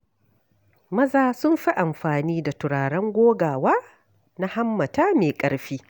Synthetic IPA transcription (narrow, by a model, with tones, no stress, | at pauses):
mɐ˦zaː˨sʊ˦mɸi˦ʔa˨mɸaː˨niː˦da˨tʊ˨ɽaː˨ɽɐ˦ŋɡʷoː˦ɡaː˨waː˦ | na˦ha˦mːɐ˨taː˦meː˨kʼɐ˦ɽɸiː˦